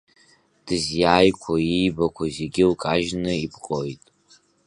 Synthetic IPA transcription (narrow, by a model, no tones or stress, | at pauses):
d̥ɨzjaːjkʷʰaijbakʷʰazeɡʲɪlkʼaʒnɨibʰqʼojtʼ